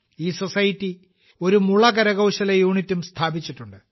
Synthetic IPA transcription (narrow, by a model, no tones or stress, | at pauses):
iːsosɐjitːi | o̞ɾumuɭɐkɐɾɐɣɐwɕɐlɐjuːɳitːumst̪ʰaːbit͡ɕːiʈːuɳɖɨ